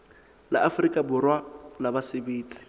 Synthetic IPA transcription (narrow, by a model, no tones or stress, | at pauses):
la̰ʔafrikʼabʊrwalabasɪbiːt͡sʼi̥